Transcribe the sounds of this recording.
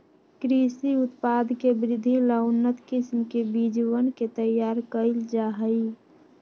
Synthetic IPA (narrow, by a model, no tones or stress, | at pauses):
kɾisiʊt̪pad̪ʱkebɾɪd̪ʱiləʊnət̪kɪsmkebid͡ʒwənket̪əjaːɾkəɪld͡ʒaɦəi